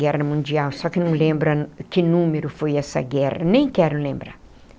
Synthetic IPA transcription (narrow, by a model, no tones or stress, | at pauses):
ɛʁɐmũnd͡ʒiawsɔkɪnɐ̃w̃lẽmbɾɐkɪnũmeɾʊfojɛsɐ̰ɡɛʁɐnẽj̃kɛɾʊlẽmbɾa̰